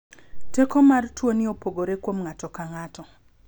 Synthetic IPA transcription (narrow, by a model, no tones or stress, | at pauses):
tekɔmartwonɪopoɡoɾekwomŋatɔkaŋatɔ